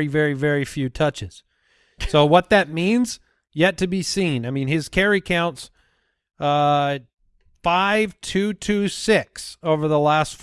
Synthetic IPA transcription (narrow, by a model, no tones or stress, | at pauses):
ivɛɹivɛɹifjʉtʰʌt͡ʃɨz̥ | soʊwʌt̪̚ðɨt̚mĩnz̥ | jɛtʰɨbisĩnaɪmĩnɪz̥kʰɛɹikʰãʊ̃nts | ʌ | faɪv̥tʰʉtʰʉsɪksoʊvə˞ðəlæstf